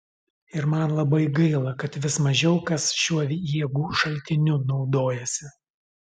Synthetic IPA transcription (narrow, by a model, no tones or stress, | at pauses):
ɪɾmɐnlˠɐbɐɪɡɐɪlˠɐkɐt̪ʋʲɪsmɐʒʲɛʊkɐsʃʲuɔʋʲjiɛɡuːʃɐlʲt̪ʲɪnʲʊnɒʊd̪oːjɛsʲɪ